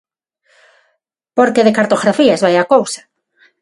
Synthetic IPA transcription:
poɾkeðɪkaɾt̪oɣɾafiɐzβajakowsḁ

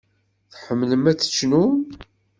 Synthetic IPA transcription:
θħəmːləmæt͡sːə̥t͡ʃːnum

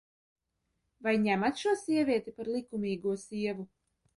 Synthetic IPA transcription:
vajɲæmat̪ʃuɔsʲiɛvʲiɛt̪ipaɾlˠikumʲiːɡuɔsʲiɛvu

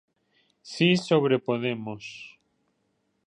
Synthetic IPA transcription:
sisoβɾepoðemos

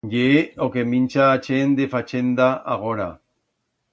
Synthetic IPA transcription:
ɟeokemint͡ʃaːt͡ʃend̪efat͡ʃend̪aaɣoɾa

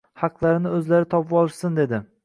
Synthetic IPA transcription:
hɑqlˠaɾɪnɪɵzlaɾɪt̪ʰɒpɪbɒlˠɪʃsɪnd̪e̞d̪ɪ

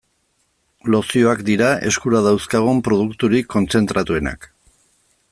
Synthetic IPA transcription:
lo̞sio̞akd̪iɾae̞skuɾað̞awskaɣ̞umpɾo̞ð̞ukt̪uɾikʰːo̞nt͡se̞nt̪ɾat̪ue̞na̰k

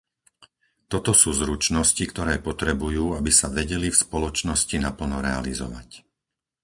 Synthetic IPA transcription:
t̪ɔt̪ɔsuːzɾut͡ʃnɔscikt̪ɔɾɛːpɔt̪ɾɛbujuːabisaʋɛɟɛlifspɔlɔt͡ʃnɔscinapl̩nɔɾɛa̰lizɔ̰ʋa̰c

